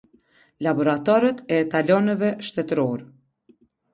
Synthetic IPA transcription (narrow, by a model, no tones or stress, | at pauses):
labɔɾat̪aɾət̪ɛt̪alɔnɛvɛʃt̪ɛt̪ɾɔɾɛ